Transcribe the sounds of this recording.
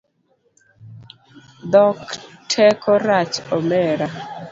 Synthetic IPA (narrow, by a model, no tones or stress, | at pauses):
d̪ɔktʰɛkʰɔɾat͡ʃɔmɛɾa